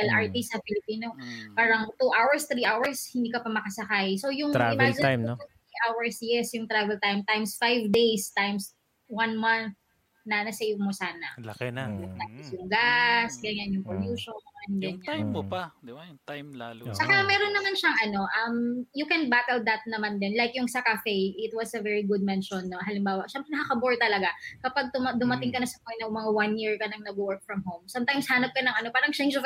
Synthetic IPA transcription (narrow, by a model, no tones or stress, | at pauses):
ɐlʔaɹt̪isɐfɪlɪpiːno̞paːɾɐŋt̪uʔawɛɹst̪ɾiːʔawɐɹshɪnd̪iːkɐpɐmɐkɐsɐkajso̞jʊŋaɪmːd͡ʒɪj̪ut̪ɾiʔawɐɹsjɛsjʊŋt̪ɾavɛlt̪ajmt̪ajmsfajvd̪ejst̪ajms | wanmanθ̚ | nɐnɐsɛmosaːnɐlɐkɛnalɐɪsjʊŋɡasɡɐnanjʊŋpoluːʃonʔɛnɡɐna | t͡ʃɐkamɛɾonːɐmanʃɐŋʔɐno̞ʔɐmjʊkɛnbat̪ɛld̪ɐt̪̚nɐmand̪ɛnlajkjʊŋsɐkafɛjʔɪt̪wɐsɐvɛɹiɡʊd̪̚mɛnʃonːoɦɐlɪmbaːwɐʃɛmpɾɛnɐkɐkɐboɹt̪ɐlɐɡakɐpaɡ̚t̪ʊmɐd̪ʊmɐt̪ɪŋkɐnɐsɐmɐnɐmɐŋawanjiɹkɐnɐŋnɐbwɔɹk̚fɹɐmɦowmsamt̪ajmshanɐp̚kɐnɐŋʔɐno̞paːɾɐŋt͡ʃɛjnd͡ʒof